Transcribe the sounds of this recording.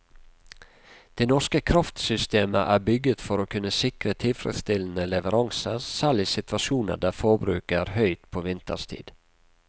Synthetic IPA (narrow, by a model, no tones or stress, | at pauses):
d̪̥eːnɔʂkəkʰɾɑft̪sʏst̪eːməʔæːbʏɡət̪fɔɾoːkʰʉnːəsɪkɾət̪ʰɪlfɾɛ̰d̪st̪ɪln̩əlɛʋəɾɑŋsəɾsæːɭɪsɪt̪ʋɑʃuːnə̰ɖ̪æːfoːbɾʉ̰ːkəɾhœʏt̪pʰoːʋɪnt̪ə̰st̪ʰḭːd̪̥